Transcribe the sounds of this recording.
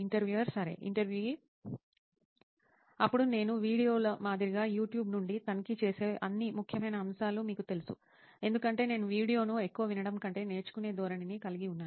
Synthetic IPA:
iɳʈɐɾʋjuːʋɐɾsɐɾe̞̰ːʔḭɳʈɐɾʋjuːi | ɐpːuɽune̞ːnuʋiːɽijo̞ːlɐmaːd̪iɾiɡaːjuːʈjuːbnuɳɖit̪ɐnkit͡ʃe̞ːse̞ːʔɐnːimukʰjɐmɐjnɐːmsaːlumiːkut̪e̞lusṵ | e̞nd̪ukɐɳʈe̞ːne̞ːnuʋiːɽijo̞ːnue̞kːuʋɐʋinɐɽɐmkɐɳʈe̞ːne̞ːt͡ʃu̥kune̞ːd̪ʱɔːɾɐninikɐliɡiunːaː

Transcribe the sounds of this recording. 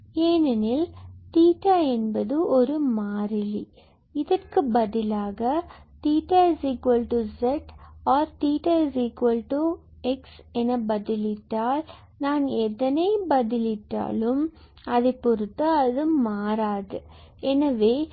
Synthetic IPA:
eːnɐnɪlt̪iːʈːaɛnbɐðɯʔɔɾɯmaːɾɪli | ɪðɐrkɯbɐðɪlaːɣɐt̪iːʈːaɪziːkʋɐlʈuzɛʈaːɾt̪iːʈːaɪziːkʋɐlʈu | ɛksɛnɐbɐðɪlɪʈːaːl | naːnɛt̪ːɐnɐɪbɐðɪlɪʈːa̰ːlɯm | ɐðɐɪpːɔɾɯt̪ːɐɐðɯmaːɾaːðɯɛnɐʋeː

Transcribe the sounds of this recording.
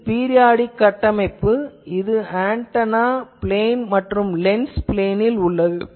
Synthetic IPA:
piːɾɪjaːɽikːɐʈːɐmɐɪpːɯɪðɯaːɳʈɐnaːpɪleːnmɐʈrɯmlɛnspɪleːnɪlʊɭːɐðɯ

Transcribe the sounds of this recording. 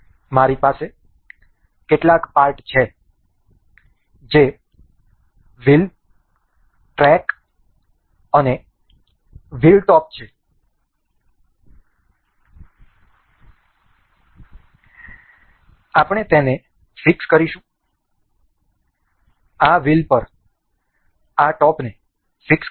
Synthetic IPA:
maɾipase | keʈlakpaɾʈt͡ʃʰe | d͡ʒe | ʋil | ʈɾɛk | əne | ʋilʈɔp̚t͡ʃʰe | apəɳ̃et̪ene | fɪkskəɾiʃũ | aʋilpəɾ | aʈɔpne | fɪks

